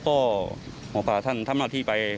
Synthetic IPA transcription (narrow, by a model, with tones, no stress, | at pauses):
kɔː˥˩ | hɔː˨˦pʰaː˨˧˩t̪ʰa˥˩nt̪ʰa˥˩mla˧˩t̪ʰiː˥˩pa˧j